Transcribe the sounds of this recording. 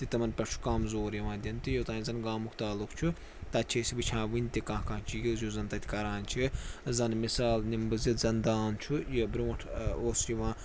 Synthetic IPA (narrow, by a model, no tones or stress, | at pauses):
t̪it̪ɐmɐnpʲɐt͡ʃʰu̥kɐmzoːɾjiʋãːd̪ʲɐnt̪ijot̪ãːĩzɐnɡaːmukʰt̪aːlukt͡ʃʰu | t̪ɐt̪t͡ʃʰisibɨt͡ʃʰãːʋinʲt̪ʲikãːɦkãːt͡ʃʰijizjuzɐnt̪ɐt̪ʰʲkɐɾaːnt͡ʃʰizɐnmisaːlnimbɨzit̪zɐnd̪aːnt͡ʃʰujɐbɾʲuːɐʈʰoːsiʋãː